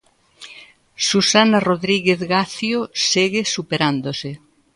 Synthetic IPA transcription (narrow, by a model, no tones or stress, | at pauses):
susanaroðɾiɣeθɣaθjoseɣesupeɾand̪osɪ